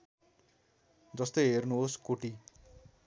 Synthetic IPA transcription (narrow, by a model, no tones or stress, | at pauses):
d͡zʌst̪ʌjɦernuoskoʈi